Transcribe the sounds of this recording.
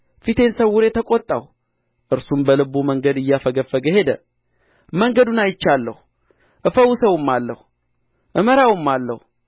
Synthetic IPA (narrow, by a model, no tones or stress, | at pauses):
fit̪ʰe̞nsəwːuɾet̪ʰəkʼot̪ʼːa̰w | ʔɨɾsumbəlɨbuməŋɡəd̪ɨjːafəɡəfːəɡəhe̞d̪ə̰ | məŋɡəd̪unajɪt͡ʃːalːəhu | ʔɨfəwusəwmːalːəhu | ʔɨməɾawumːalːəhu